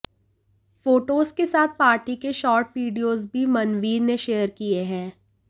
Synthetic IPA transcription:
foːʈoːzkesaːt̪̚ʰpaːɾʈikeʃɔːɾʈʋiːɖijoːzbʱimɐnʋiːɾneʃeːjəɾkieɦɛ̃ː

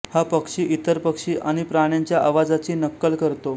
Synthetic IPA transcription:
hapəkʂiːʔit̪əɾpəkʂiːʔaɽ̃ipɾaɽ̃jaɲt͡ɕjaʔaʋad͡zat͡ɕiːnəkːəlkəɾt̪o

